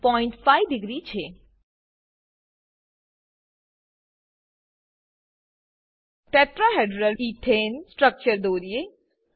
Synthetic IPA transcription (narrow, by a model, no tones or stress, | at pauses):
pɔːɪ̃ɳʈfaːiɖɪɡɾit͡ʃʰe | ʈɛːʈɾaɦeɖɾəliːʈ̪ʰeːnsʈɾək̚t͡ʃəɾd̪oːɾie